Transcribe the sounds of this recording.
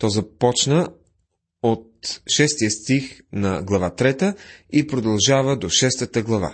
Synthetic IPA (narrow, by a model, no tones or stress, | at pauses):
t̪ɔzɐpɔt͡ʃnə | ot̪̚ʃɛst̪ijəst̪ixnɐɡlˠɐvat̪ɾɛt̪əipɾod̪ɐlˠʒavəd̪oʃɛst̪ət̪əɡlˠɐva̰